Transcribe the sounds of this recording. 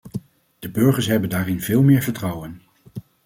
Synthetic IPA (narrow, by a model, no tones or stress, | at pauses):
d̥əbɵɹχəɹsɦɛbəndaːrɪnv̥ɪːlˠmɪːɹvəɹtrɑwən